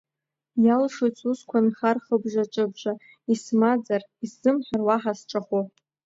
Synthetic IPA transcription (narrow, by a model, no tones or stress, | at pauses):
jalʂot͡sʰʼuskʷʰanχarχəbʒʷaʈ͡ʂʷʼɨbʒʷa | ismad͡zarisɨmħʷᶣarwaħasʈ͡ʂʼaχo